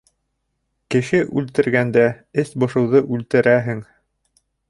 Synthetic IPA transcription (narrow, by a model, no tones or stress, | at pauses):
kɘ̆ʃɘʔʉlt̪ɘ̆ɾɡænd̪æ | ɘsbŏʃɤ̆wðɤʔʉlt̪ɘ̆ɾæɦɘŋ